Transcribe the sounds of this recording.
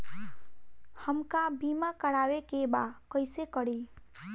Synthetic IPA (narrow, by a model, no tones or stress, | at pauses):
həmkabiːmakəɽaːwekebakəɪsekəɽi